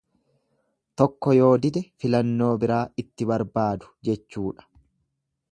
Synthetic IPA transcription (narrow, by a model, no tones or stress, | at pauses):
t̪ɔkːɔjo̞ːd̪ɪd̪ɛfɪlɐnːo̞ːbɪɾaːɪt̪ːɪbɐɾbaːd̪ʊ̥d͡ʒɛt͡ʃːuːᶑɐ̥